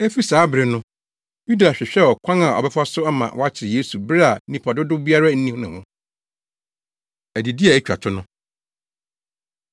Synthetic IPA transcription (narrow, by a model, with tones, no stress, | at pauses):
e˦fi˦saː˨˦bɾɪ˨nʊ̃˦ | ju˦da˨ɕᶣɪ˨ɕᶣɛ˦˨ɔ˨kʷʰã˦ŋa˨ɔ̰˨bɛ˦fa˦sʊ˦a˦mã̰˨wɔ˦a˦t͡ɕʰɪ˨ɪ˨jeː˦su˨bɾɪ˦a˨˦nĩ˨pʰɔ˨dʊ˦dʊ˦bi˦a˦ɾa˦n̩˦nĩ˦hnɪ̃˨ʊ̃˦ | æ˨di˨di˦a˨æ˦˨t͡ɕᶣa̰˨tʰʊ˦nʊ̃˦